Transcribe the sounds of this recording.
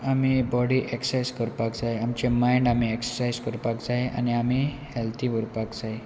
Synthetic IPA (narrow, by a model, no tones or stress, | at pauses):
amibɔɽiʔeksajzkəɾpakd͡zaeamt͡ɕemajɳɖamieksəsajd͡zkəɾpakd͡zaeʔa̰niami | helt̪ʰiːʋəɾpakd͡zaɦe